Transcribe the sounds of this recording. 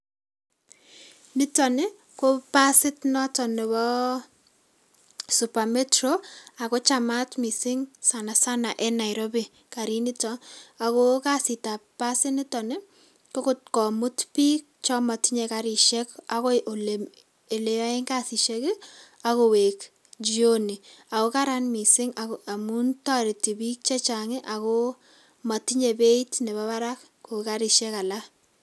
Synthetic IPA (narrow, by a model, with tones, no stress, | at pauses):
nɪ˦tɔ˨nɪ˦ | ko˦pa˦sɪ˦tnɔ˦tɔ˨nɪ˨wɔ˦ | su˨pa˨me˦tɾo˦a˨ko˦t͡ʃa˨ma˦tmi˨sɪ˦ŋsa˨na˨sa˦na˨ʔɛ˦na˨ɪɾo˦bi˨ | ka˨ɾi˦nɪ˦tɔ˦a˨ko˦ka˦si˨ta˨pa˦sɪ˦nɪ˦tɔ˨nɪ˦ | ko˦kʊ˦tkɔ˨mʊ˦tpi˦k̚t͡ʃɔ˦ma˨ti˦ɲe˨ka˨ɾɪ˨ʃɛ˦ka˦ko˦ʔo˨l | e˨le˨wa˦ɪ˦ŋka˦si˨ʃe˦kɪ˦ | a˨ko˨we˨k | d͡ʒi˦o˦ni˨a˨ko˦ka˦ɾa˦nmi˨sɪ˦ŋa˨ka˨mu˦nta˦ɾi˨ti˨bi˦k̚t͡ʃe˦t͡ʃa˨ŋɪ˦ʔa˨ko˦ | ma˨ti˦ɲe˨be˦i˦tne˨βa˦βa˦ɾa˦k | ko˨ka˦ɾɪ˨ʃɛ˦ka˨la˦